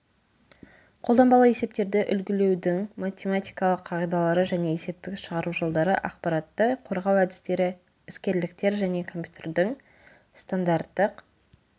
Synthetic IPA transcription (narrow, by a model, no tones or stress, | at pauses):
qʰo̞lˠd̪ɑmbɑlˠəe̞se̞p̚t̪e̞ɾd̪ɪʔʏlɡʲɪle̞wd̪ɪŋmat̪ʲemat̪ijkɑlˠəqʰːɑʁijd̪ɑlˠɑɾəʒæne̞ese̞p̚t̪ɪkʲʃəʁɑɾuʒolˠd̪ɑɾəʔɑ̰qpɑɾɑt̪ːəqʰo̞ɾʁɑwæd̪ɪst̪e̞ɾɪ | ɪskʲe̞ɾlɪkt̪e̞ɾʒæne̞kʰo̞mpʲjut̪ʰeɾd̪ɪŋ | st̪and̪aɾt̪ːəq